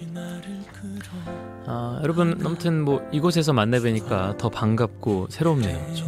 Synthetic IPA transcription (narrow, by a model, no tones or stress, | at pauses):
ajʌɾʌbɯnʌmʌtʰɯnmwʌiɡos̬ʰe̞s̬ʰʌmanːabweɲik͈atʌpaŋɡap̚k͈osʰe̞ɾomnḛjo